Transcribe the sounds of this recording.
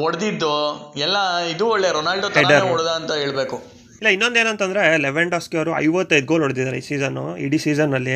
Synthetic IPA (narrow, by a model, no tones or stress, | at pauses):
ɔɽɐd̪id̪ːuɛlːɐid̪uɔɭːeɾonaːlɖotɐeɖɐɾeɔɽd̪aɐnt̪ɐɦeːɭbeːku | ilːɐinːo̞nd̪eːnɐnt̪ɐnd̪ɾeleʋeɳɖɐskɐɾuɐ̰jʋɐt̪ːɐjd̪̚ɡoːlɦoɽd̪id̪aːɾeisiːzɐnːṵḭɖisiːzɐnːɐlːi